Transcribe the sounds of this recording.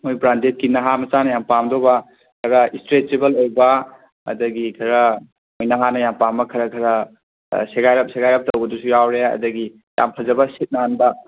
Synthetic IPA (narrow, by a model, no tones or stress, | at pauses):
mojbɾandet̚kinːɐɦamɐt͡ʃanɐjampamdobɐ | kʰɐɾɐistɾet͡ʃebɐlojbɐ | ɐ̰dɐɡikʰɐɾɐ | mojnɐɦanɐjampambɐkʰɐɾɐkʰɐɾɐ | seɡajɾɐp̚seɡajɾɐp̚tɐwbɐdusujawɾeɐ̰dɐɡi | ja̰mpʰɐzɐbɐsit̚naanbɐ